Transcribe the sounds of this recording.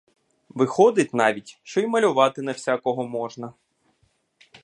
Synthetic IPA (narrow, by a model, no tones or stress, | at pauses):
ʋɪxɔd̪ɪtʲnɑʋʲitʲʃt͡ʃɔjmɐlʲʊʋɑt̪ɪnɐwsʲakɔɦɔmɔʒnɐ